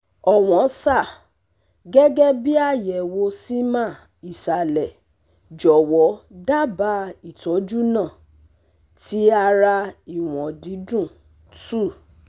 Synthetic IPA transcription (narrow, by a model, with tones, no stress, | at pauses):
ɔ˨w̃ɔ̃˨˦sa˦˨ | ɡɛ˦ɡɛ˦bi˦a˦˨jɛ˨wo˧si˦mã˦˨ | i˨sa˨lɛ˨ | d͡ʒɔ˨wɔ˨˦da˦ba˦i˨tɔ˨˦d͡ʒu˦nãː˦˨ | ti˨˦a˧ɾa˧i˨w̃ɔ̃˨di˨˦dũ˦˨ | tu˦˨